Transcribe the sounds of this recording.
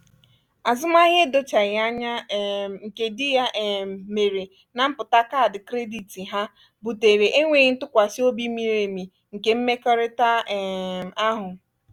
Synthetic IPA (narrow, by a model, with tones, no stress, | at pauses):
a˨zʊ˦m˦a˦ɦe˦do˦t͡ʃa˨ɣɪ˨a˦ɲa˦˨ŋ̩˨ke˨dɪ˦ja˦ʔme˨ɾe˨ | na˨m̩˦pʊ˨ta˦ka˦˨dɪ˨kɾe˦di˨ti˨ɦa˦ | bu˨te˨ɾe˨ʔe˦ŋʷe˨n̩˦tʊ˦kʷa˨si˦o˦bi˦mi˨ɾe˨mi˨ | ŋ̩˨ke˦m̩˦me˦kɔ˦ɾɪ˦ta˦˨ | a˦ɦʊ˨